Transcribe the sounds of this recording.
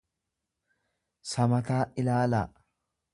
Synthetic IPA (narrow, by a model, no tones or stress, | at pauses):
sɐmɐt̪aːʔɪlaːla